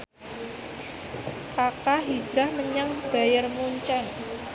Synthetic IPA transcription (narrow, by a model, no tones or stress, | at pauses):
kakaɦi̥d͡ʒɾahməɲaŋb̥a̤jərmuɲt͡ʃɛn